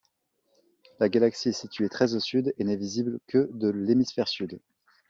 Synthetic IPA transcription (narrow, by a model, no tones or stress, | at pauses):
laɡalaksiɛsit̪ɥet̪χɛzosyd̪enɛviziblkʰəd̪əlemisfɛʁsyd̪